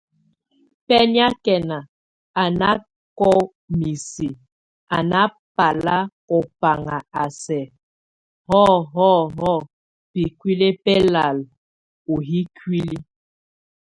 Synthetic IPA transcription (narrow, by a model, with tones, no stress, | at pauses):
pɛ˦n˦a˦kɛ˨na˨ | a˨na˦ | kɔ˦ | mi˨si˨ | a˨na˦ | pa˨la˦ | ɔ˨pa˨ŋa˨a˨sɛ˨ | hɔ˦ɦɔ˦ɦɔ˦˨ | pi˨kwi˦le˦pɛ˦la˨l | u˨ɦi˦kwi˦li˦